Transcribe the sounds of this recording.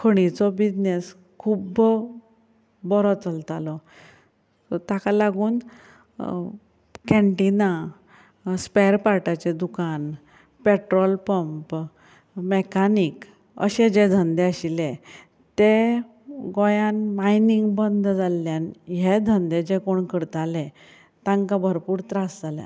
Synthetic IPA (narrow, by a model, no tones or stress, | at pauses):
kʰəɽ̃it͡sɔbid͡ʑnes | kʰub | bɔɾɔt͡səlt̪alɔ | t̪jakalaɡuːn | kɛ̃ɳʈina | spɛɾpaɾʈat͡ɕed̪ukan | peʈɾɔlpəmp | mekanik | ə̰ɕed͡ʑed̪ʱənd̪eəɕilẽ | t̪e | ɡɔjãnmainiŋɡbənd̪ʱd͡zalːjanɦed̪ʱənd̪ed͡ʑekoɳkəɽt̪alɛ | t̪ãŋkabʱəɾpuːɾt̪ɾasd͡zaljã̰